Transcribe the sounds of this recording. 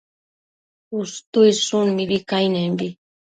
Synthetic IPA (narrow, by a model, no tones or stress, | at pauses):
ust̪ujsunmiβikajnɛmbi